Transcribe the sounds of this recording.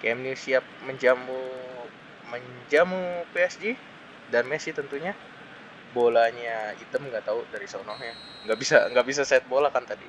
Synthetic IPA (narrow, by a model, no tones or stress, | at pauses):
kamnisiap̚məɲd͡ʒamu | məɲd͡ʒamupeɛsd͡ʒi | danmeɛsit̪ənt̪uɲa | bolaɲait̪əmŋɡaʔt̪audaɾisaonɔhɲa | ŋɡaʔbisa̰ŋɡaʔbis̬asɛt̪̚bolakant̪adi